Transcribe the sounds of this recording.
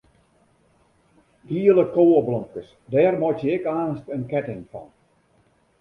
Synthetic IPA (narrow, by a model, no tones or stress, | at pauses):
diələkoːəblɔŋkəs | dɛːrmɔtjəɪkaːnstənkɛtɪŋfɔ̰n